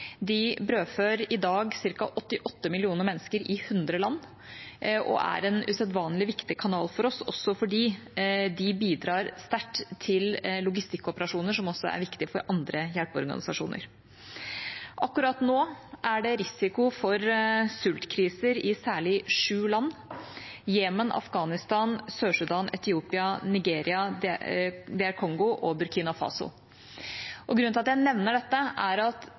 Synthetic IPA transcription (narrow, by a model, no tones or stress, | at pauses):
d̪ɪbɾøːføːɾɪd̪ɑːɡsɪɾkɑʔɔt̪ːɪʔɔt̪ːəmɪlɪuːnəɾmɛnːəskəɾɪhʉnd̪ɾəlɑnː | ʔɔ̰ʔæ̰ɾɛnʉ̰ːsɛd̪ʋɑːnlɪʋɪkt̪ɪkʰɑnɑːlfɔɾɔsɔ̰sːɔfɔɖiːd̪ɪbiːd̪ɾɑːɾst̪æʈːt̪ʰɪllʊɡɪst̪ɪkːɔpəɾɑʂuːnəʂɔmɔsːɔæ̰ɾʋɪkt̪ɪfɔɾʔɑnd̪ɾəjælpɔ̰ɾɡɑ̰nɪsɑʂṵːnʔə̰ɾ | ʔɑkːʉɾɑt̪noːʔæɖɛɾɪsɪkʊfɔɾsʉlt̪kʰɾiːsəɾɪsæːɭɪʂʉːlɑnː | jeːmənɑ̰fɡɑːnɪst̪ɑːnsøːʂʉd̪ɑːnɛt̪ɪuːpɪɑnɪɡeːɾɪɑ | d̪ɛæɾkʰɔŋɡʊʔɔbʉɾkʰiːnɑfɑ̰ːsʊ̰l | ʔɔɡɾʉnɪɑt̪jæɪnɛʋnəɖɛt̪ːəʔæɾɑt̪